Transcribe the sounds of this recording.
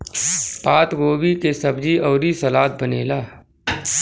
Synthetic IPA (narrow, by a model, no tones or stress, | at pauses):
paːt̪ɡoːʋikesəbd͡ʒiɔːɾisɐlaːt̪̚bəneːlaː